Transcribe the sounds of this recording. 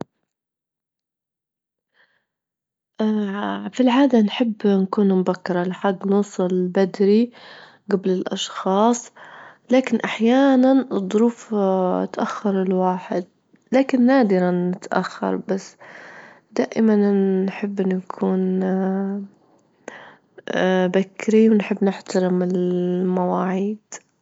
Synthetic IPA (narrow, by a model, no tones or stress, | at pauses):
ʔafilʕaːd̪anħɪbːnakuːnmʊbakːɪɾˤɑlɪħaɡːnuːsˤɑlbad̪ɾi | ɡablɪlʔɑʃxɑːsˤlaːkɪnʔaħjaːnanɨd̪ˤːʊɾuːft̪ʔaxːɑɾˤɪlwaːħɪd̪̚ | laːkɪnːaːd̪ɪɾanːɪt̪ʔa̰xːɑ̰ɾˤbasː | d̪aːʔɪmanːħɪbːnjakʰuːn | bakːɪɾiwnħɪbːnɪħt̪aɾɪmɪlmawaːʕiːd̪̥